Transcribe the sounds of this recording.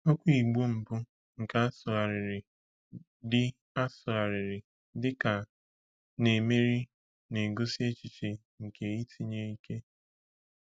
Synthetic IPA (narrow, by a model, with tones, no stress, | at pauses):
ɔ˦kʷi˨ɡ͡bu˦m̩˨bʊ˦ | ŋ̩˨ka˦a˦sʊ˨ɣa˨ɾɪ˨ɾɪ˨ | dɪ˦ | a˦sʊ˨ɣa˨ɾɪ˨ɾɪ˨ | dɪ˦ka˨ | ne˨me˦ɾi˦ | ne˨ɡo˦si˦e˦t͡ʃi˨t͡ʃe˨ | ŋ̩˨ke˨i˦tʰi˨ɲe˦i˦ke˦